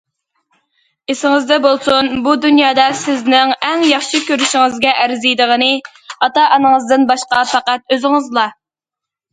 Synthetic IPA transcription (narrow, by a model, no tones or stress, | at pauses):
esɪŋɨzd̪ɛbolˠsunbud̪ynjɑːd̪ɑsɪznɪŋɛŋjɑχʃikʲøɾyʃiŋɨzɡʲɛʔæɾzijd̪əʁənɨ | ɑt̪ɑʔɑnəŋəzd̪ɨnbɑʃqɑfæqæt̪̚øzɪŋɨzlˠɑ